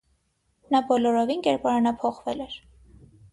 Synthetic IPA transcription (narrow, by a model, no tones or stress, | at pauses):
nɑbɔlɔɾɔvinkɛɾpɑɾɑnɑpʰɔχvɛlɛɾ